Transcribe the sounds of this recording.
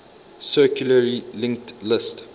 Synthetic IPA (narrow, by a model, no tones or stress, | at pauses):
sɜkjuləɹilɪ̃ŋk̚tlɪst